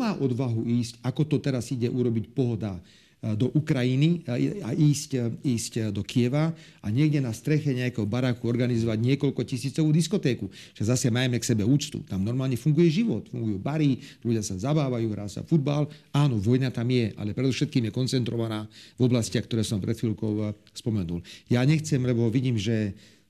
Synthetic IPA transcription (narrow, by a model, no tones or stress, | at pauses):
maːʔɔd̪ʋaɦuiːscakɔt̪ɔt̪ɛɾaziɟɛʔuɾɔbicpɔɦɔd̪a | d̪ɔʔukɾajiniaʔiːsciːscd̪ɔkijɛʋa | aɲɛɡɟɛnast̪ɾɛxɛɲɛakɛːɦɔbaɾaːkuɔɾɡanizɔʋaɟɲɪɛkɔʎkɔcisiːt͡sɔʋuːd̪iskɔt̪ɛːku | ʒ̥ɛzasɛmajɛmɛksɛbɛuːt͡st̪ṵt̪amnɔɾmaːlɲɛfuŋɡujɛʒiʋɔt̪fṵŋɡujuːbaɾiluɟɪasazabaːʋajuːɦɾa̰ːsa̰fud̪̚balaːnɔʋɔjnat̪amjɛʔa̰lɛpɾɛd̪ɔfʃɛt̪̚kiːmjɛkɔnt͡sɛnt̪ɾɔʋanaːvɔblasciaxkt̪ɔɾɛːsɔmpɾɛt̪filkɔʊ | spɔmɛnṵljaɲɛxt͡sɛmlɛbɔʋiɟiːmʒɛ